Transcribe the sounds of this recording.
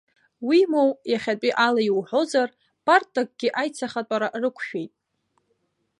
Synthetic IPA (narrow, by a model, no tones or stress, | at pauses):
wimo̞wjaχʲat͡pʼiʔalaiwħʷo̞zar | pʰʼartʼak̚ʼɡʲɪʔajt͡sʰaχatʷʼaɾarɨkʷʰʃᶣe̞jtʼ